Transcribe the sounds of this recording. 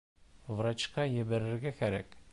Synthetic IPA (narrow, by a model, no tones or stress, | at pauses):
vɾɑt͡ʃqɑjĕbɘɾɘ̆ɾɡʲækʲʰæɾæk